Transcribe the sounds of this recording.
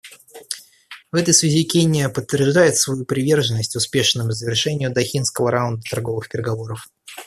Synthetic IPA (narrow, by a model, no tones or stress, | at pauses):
vɛt̪əjsvʲɪzʲikʲenʲɪjəpət̪ːvʲɪrʐd̪ajɪt̪svɐjupɾʲɪvʲe̞rʐənːəsʲtʲʊspʲe̞ʂnɨmʊzəvʲɪrʂɛnʲɪjʊd̪ɐxʲinskəvəɾawʊnd̪ət̪ɐrɡo̞vɨxpʲɪɾʲɪɡɐvo̞ɾəf